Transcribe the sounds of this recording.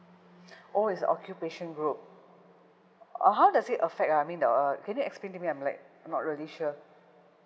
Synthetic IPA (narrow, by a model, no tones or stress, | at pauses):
ʔoisə̰ɔ̰kʰjupeʃə̃nɡɹup̚ | ɔ̰ɦawdasitəfɛk̚taaɪmĩndəʌkɛ̃njuɛksplẽntumiãɪ̃mlaɪk̚ | nɔt̚ɹiəliʃu